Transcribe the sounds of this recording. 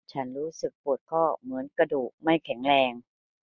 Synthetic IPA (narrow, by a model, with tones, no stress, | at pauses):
t͡ɕʰa˦˥nɾuː˦˥sɯ˨˩k̚pu˨˩ət̪̚kʰɔː˥˩mɯ˩˦ənkɾa˧duː˨˩k̚ma˥˩jkʰɛ˩˦ŋɾɛː˧ŋ